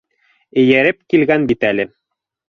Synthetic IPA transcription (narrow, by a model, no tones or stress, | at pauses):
ɘ̆jæɾɘp̚kilɡænbit̪ælɘ